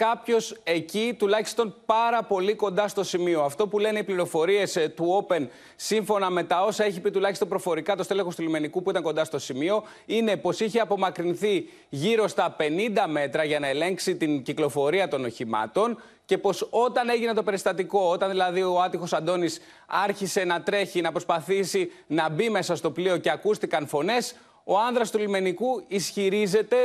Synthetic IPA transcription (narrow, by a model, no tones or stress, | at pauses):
kɐpço̞se̞cit̪ulɐçi̥st̪o̞npɐɾɐpo̞liko̞nd̪ɐst̪o̞simio̞ɐft̪o̞pule̞ne̞ipliɾo̞fo̞ɾie̞st̪uo̞pe̞n | siɱfo̞nɐme̞t̪ɐo̞sɐeçipit̪ulɐçist̪o̞npɾo̞fo̞ɾikɐt̪ost̪elexo̞st̪uilime̞nikupuit̪ɐŋko̞nd̪ɐst̪o̞simio̞ | ine̞po̞siçeɐpo̞mɐkɾinθi | ʝiɾo̞st̪ɐpe̞nind̪ɐme̞t̪ɾɐʝɐnɐe̞le̞ŋksit̪inciklo̞fo̞ɾiɐt̪o̞no̞çimɐ̰t̪o̞n | ce̞po̞so̞t̪ɐneʝine̞t̪o̞pe̞ɾist̪ɐt̪iko̞ot̪ɐnðilɐðio̞ɐt̪ixo̞sɐnd̪o̞nis | ɐɾçise̞nɐt̪ɾe̞çinɐpɾospɐθisi | nɐbime̞sɐst̪o̞plio̞ceɐkust̪ikɐnfo̞ne̞s | o̞ɐnðɾɐst̪ulime̞nikuisçiɾize̞t̪e̞